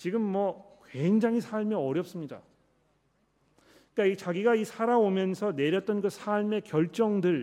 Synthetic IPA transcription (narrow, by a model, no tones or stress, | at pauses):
t͡ɕiɡɯmːwʌ | kweŋd͡ʑaŋɦisʰaɭmeʌɾjʌp̚s͈ɯmɲida̰ | ik͈ait͡ɕaɡiɡaisʰaɾaomjʌnsʰʌne̞ɾjʌt̚t͈ʌnkɯsʰaɭme̞kjʌɭt͡ɕ͈ʌŋdɯɭ